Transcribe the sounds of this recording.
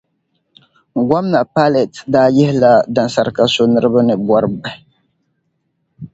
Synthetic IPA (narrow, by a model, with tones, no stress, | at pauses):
ɡʷa˦mna˨pa˦lɛ˨tdaː˦jɛ˦hɪ˦la˦da˨nsa˨ɾɨ˦ka˦so˦nɨ˦ɾɨ˦ba˦nɨ˨bɔ˦ɾɨ˨bɛ˨